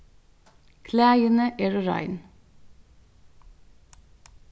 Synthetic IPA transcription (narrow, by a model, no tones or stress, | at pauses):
kʰlæːjənəʔeːɾɔɾɑ̰ɪn